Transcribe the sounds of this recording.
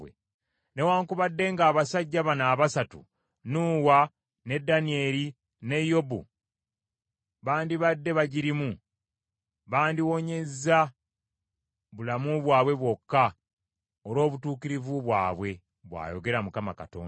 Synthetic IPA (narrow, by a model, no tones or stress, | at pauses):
we | ne̞waːŋkuβadːe̞ŋɡaːβasaɟːaβanaːβasatṵ | nuːwa | ne̞dːanie̞ɾi | ne̞jo̞bṵ | βaːndiβadːe̞βaɟiɾimu | βaːndiwo̞ɲe̞za | βulamuβwaːβwe̞βwo̞kːa | oɾo̞ːβutuːkiɾivuβwa̰ːβwe̞ | βwa̰ːjo̞̰ɡe̞ɾamukamaka̰to̰ːn